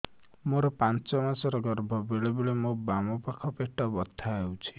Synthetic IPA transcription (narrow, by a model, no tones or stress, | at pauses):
moɾɔpãnt͡ʃɔmasɔɾɔɡɔɾbʱɔbeɭebeɭemobamɔpakʰɔpeʈɔbɔt̪ʰːaewt͡ʃʰi̥